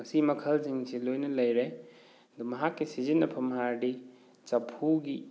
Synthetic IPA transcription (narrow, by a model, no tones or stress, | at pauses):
ɐsimɐkʰɐlziŋsilojnɐlɐjɾe | ɐd̪umɐɦakːisizinɐpʰɐmɐɦaɾdi | t͡ʃɐpʰuɡi